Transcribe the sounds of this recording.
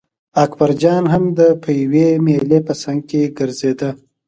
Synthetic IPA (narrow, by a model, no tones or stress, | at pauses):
akbaɾd͡ʒɑnɦamd̪əpʰəjawemelepəsaŋɡ̚keɡəɾzed̪ə